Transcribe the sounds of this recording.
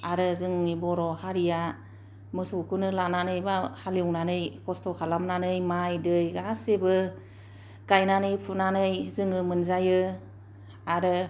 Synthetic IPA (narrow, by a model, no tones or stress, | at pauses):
aɾɯzɯŋnibɔɾɔhaɾija | mɯsɔkʰunɯlananɯjbahaliuŋnanɯjkʰɔstɔkʰalamnanɯjmajdɯjɡasebɯ | kajnanɯjpʰunanɯjzɯŋɯmɯnzajɯ | aɾɯ